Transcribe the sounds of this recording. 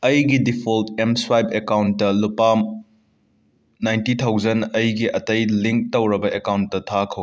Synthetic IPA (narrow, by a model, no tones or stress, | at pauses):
ɐjɡidipʰoltemswajbekawntːɐlupam | najntit̪ʰawzɐnɐjɡiʔɐtɐjliŋk̚tɐwɾɐbɐʔekawntːɐtʰakʰɐw